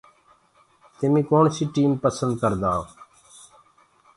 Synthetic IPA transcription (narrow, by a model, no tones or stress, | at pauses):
t̪ɪmĩːkoːɳsiːʈiːmpəsənd̪̚kəɾd̪aːoː